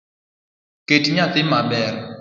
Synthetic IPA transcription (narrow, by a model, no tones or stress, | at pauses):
ketɲat̪ɪmabɛr